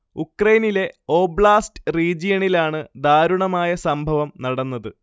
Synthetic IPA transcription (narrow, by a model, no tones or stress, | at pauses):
ukrɐjnile̞o̞ːbɭaːstɨriːd͡ʑijɐɳilaːɳɨd̪aːɾuɳɐmaːjɐsɐmbʱɐʋɐmnɐɽɐnːɐðɨ